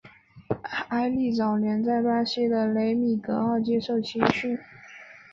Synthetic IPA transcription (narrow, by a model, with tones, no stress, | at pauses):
a˥ɪli˥˩t͡sɑ˨˩ʊljɛ˧˥nt͡sa˥˩ɪpa˥ɕɛ˥d̪ə˨le˧˥ɪmi˨˩k̪ɤ˧˥ɑ˥˧ʊt͡ɕjɛ˥ʂo˥˩ʊt͡ɕʰi˧˥ŋt͡ɕʰy˥˩